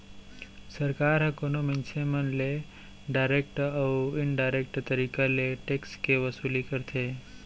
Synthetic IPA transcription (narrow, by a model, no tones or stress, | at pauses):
səɾkaːɾɦəkonomĩnt͡ʃʰemənle | ɖaɪɾek̚ʈəwɪnɖajɾek̚ʈt̪əɾikaleʈekskeʋəsuːlikəɾt̪ʰe